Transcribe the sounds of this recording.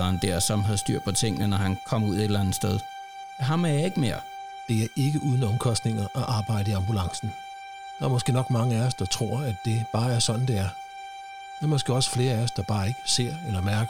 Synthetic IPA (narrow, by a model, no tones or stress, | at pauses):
ɑnd̥eɐ̰sɒ̽mɦæðsd̥yɐ̰d̥pʰɒ̽t͡sʰe̝ŋ̰nənɒɦænkʰɒ̽muð̞̰ˠed̥elænð̩ˠsd̥eð̞ˠ | æɦɑ̈mæjɑe̝ɡ̥əme̝ɐ̰ | d̥e̝æɐʔe̝ɡ̥əʔuːð̞ˠn̩ɒ̽mkʰɒ̽sd̥ne̝ŋɐʔɒʔɑ̈ːb̥ɑ̈ɪ̰ɾəiɑ̈mbulɑ̈ŋsn̩ | d̥ɑ̈ːɐmɒ̽sɡ̥e̝̰ːnɒ̽ɡ̥mɑ̈ŋəæɐsd̥ɑ̈t͡sʰʁo̝ɐ̰æd̥e̝b̥ɑ̈ːæɐsɒ̽nn̩d̥e̝æɐ | d̥æmɒ̽sɡ̥e̝̰ːɒ̽sfle̝ːɐæɐsd̥ɑ̈b̥ɑ̈ːe̝ɡ̥əse̝ɐ̰elɐmæɐɡ̥